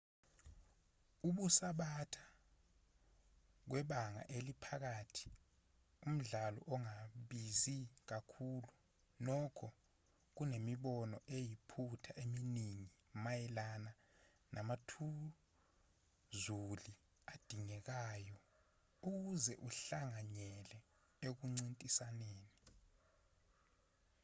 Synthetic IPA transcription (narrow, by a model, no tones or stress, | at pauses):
uɓusaɓatʰḁ | k̬wɛɓaŋa̰ʔelipʰak̬atʰi̥ | um̩ɮalɔ̰ʔɔŋaɓizik̬akʰuːlu | nɔkʰɔ | k̬unemiɓɔnɔʔejipʰutʰaʔeminiŋi | majɛlana | nʔamatʰu | zuli | ad̥ʱiŋɛk̬ajɔ | uk̬uzɛʔuɬaŋaɲɛlɛ | ek̬uŋ͡ǀintʼisaneːni